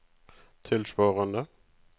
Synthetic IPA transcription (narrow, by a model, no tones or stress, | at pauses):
t̪ʰɪlspɑːʁənə